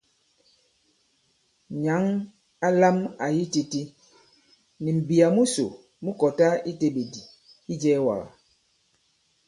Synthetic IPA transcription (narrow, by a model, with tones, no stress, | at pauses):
ɲa˨˦ŋ | a˦la˦ma˨ji˦ti˦ti˦ | ni˨m̩˨bi˨a˨mu˦so̰˨ | mu˦kɔ˨ta˦i˦te˦be˨di˨ | i˦d͡ʒɛː˦wa̰˨ɣa̰˨